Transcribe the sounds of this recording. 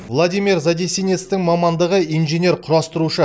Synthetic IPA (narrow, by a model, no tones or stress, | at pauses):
vlˠad̪ijmʲiɾzad̪ʲesine̞t̪st̪ɪŋmɑmɑnd̪əʁəijnʒenʲe̞ɾqʰʊɾɑst̪əɾuʃə